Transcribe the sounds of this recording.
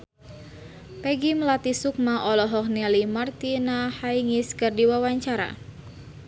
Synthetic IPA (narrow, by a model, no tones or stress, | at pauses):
pɛɡiməlat̪isuk̚maʔɔlɔɦɔk̚niɛlimart̪inahaiŋiskɨrdiwawaɲt͡ʃaɾa̰